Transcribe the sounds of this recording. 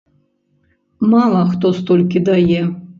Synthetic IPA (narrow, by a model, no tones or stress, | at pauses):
malˠɐxt̪ost̪olʲkʲid̪aje